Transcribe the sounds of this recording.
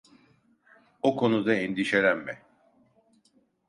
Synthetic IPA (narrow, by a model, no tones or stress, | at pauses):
okʰo̞nud̪aend̪iʃe̞lʲæmmɛ